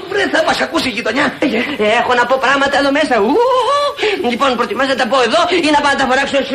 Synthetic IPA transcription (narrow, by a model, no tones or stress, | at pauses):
vɾeθɐmɐsɐkusiʝit̪oɲɐexonɐpo̞pɾɐɣmɐt̪ɐeðomesɐu | ʎipo̞npɾot̪imɐznɐt̪ɐpoeðoinɐpɐnɐt̪ɐfoɾɐksos